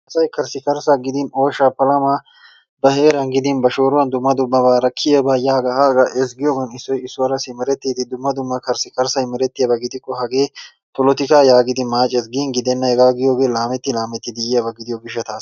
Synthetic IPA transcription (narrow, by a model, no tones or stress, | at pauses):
ɐsɐjkɐɾsɪkɐɾsaɡɪd̪ɪnoːʃaːpɐlɐmaː | bɐheːɾɐnɡɪd̪ɪnbɐʃoːɾʊwɐnd̪ʊmːɐd̪ʊbːɐbaːɾɐkʰːɪjɐbɐjaːɡɐhaːɡɐʔɛs̬ɡɪjoːɡɐnɪsːɔjɪsːʊɐɾɐsɪmɛɾɛt̪ːiːt̪ɪd̪ʊmːɐd̪ʊmːɐkɐɾsɪkɐɾsɐjmɛɾɛt̪ːɪjɐbɐɡɪd̪ɪkʼːɔɦɐɡe̞ː | pɔlɔt̪ɪkaːjaːɡɪd̪ɪmaːt͡ʃʼɛsɡiːnɡɪd̪ɛnːɐhɛɡaːɡɪjoːɡeːlaːmɛt̪ːɪlaːmɛt̪ːɪd̪ɪjɪjɐbɐɡɪd̪ɪjɔɡɪʃːɐt̪aːs